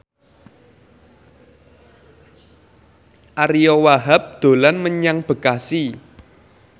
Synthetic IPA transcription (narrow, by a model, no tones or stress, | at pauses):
ʔaɾijɔwaɦap̚d̪̥o̤lanməɲaŋb̥ə̤kasi